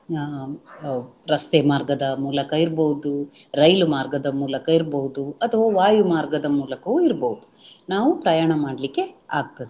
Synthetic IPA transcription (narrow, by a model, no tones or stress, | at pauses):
ɾɐst̪eːmaːɾɡɐd̪ɐmuːlɐkɐiɾboɦud̪uɾɐjlumaːɾɡɐd̪ɐmuːlɐkɐiɾbɐɦud̪uɐt̪ʰɐʋɐʋaːjumaːɾɡɐd̪ɐmuːlɐkɐʋuiɾboɦud̪unaːʋupɾɐjaːɳɐmaːɽlikːe̞a̰ːɡ̚t̪ɐd̪e